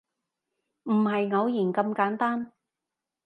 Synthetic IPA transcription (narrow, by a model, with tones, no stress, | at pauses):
m̩˨˩ɦɐ˨jŋɐ˨˧wjiː˨˩nkɐ˧mkaː˨˥nt̪aː˥n